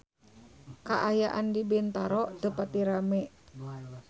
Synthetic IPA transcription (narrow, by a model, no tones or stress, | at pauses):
kaʔajaʔandibɛnt̪aɾɔʔt̪əpat̪iɾamɛ